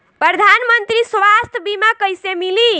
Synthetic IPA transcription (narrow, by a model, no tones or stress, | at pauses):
pɾəd̪ʱanmənt̪ɾisʋast̪ʰəbimakəjsemili